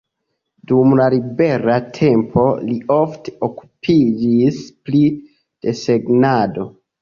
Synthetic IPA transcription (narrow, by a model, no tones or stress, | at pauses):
dumlalibe̞ɾatʰe̞mpʰo̞lio̞fteoku̥pʰid͡ʒispli | d̥e̞se̞ɡnado̞